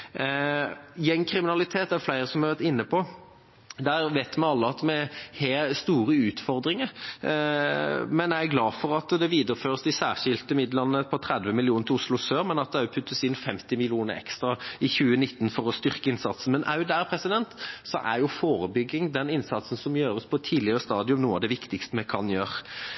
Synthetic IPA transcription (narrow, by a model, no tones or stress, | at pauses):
jɛŋːkʰɾɪmɪnɑlɪt̪ʰeːt̪æflæɪɾəsɔmæʋæɾt̪ɪnːəpʰɔ | d̪æːɾʋeɪt̪mɛnɑlːəɑt̪mɛheːst̪uːɾəʉːt̪fɔʁd̪ɾɪŋəɾ | mɛnæɪɡlɑːfɔɾɑt̪d̪ɛʋiːd̪əɾəføːɾəsd̪ɪsæːʂɪlt̪əmɪd̪lənːəpʰɔt̪ʰɾɛd̪ʋəmɪlɪuːnət̪ʰɪʊslʊsøːɾmɛnɑt̪̚d̪ɛpʰʉt̪ʰːəsɪnːfɛmt̪ɪmɪlɪuːnə̰ɾɛ̰kst̪ɾʁɑɪçʉːənɪt̪ːnfɔʁɔst̪ʏɾkəɪnsɑt̪sn̩mɛnʔæʉd̪æɾpʰɾɛsɪd̪ɛnt̪sɔ̰ʔæɾjʊfoːɾəbʏɡːɪŋd̪ɛnɪnsɑt̪sn̩sɔmjøːɾəspʰɔt̪ʰiːd̪lɪəʁəst̪ɑːd̪ɪʉmnuːəɑʋd̪ɛʋɪkt̪ɪkst̪əmɛkʰɑnjøːɾ